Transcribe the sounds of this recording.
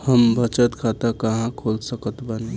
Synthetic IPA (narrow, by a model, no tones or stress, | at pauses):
həmbʱət͡ʃət̪kʰat̪akəɦãkʰolsəkət̪bən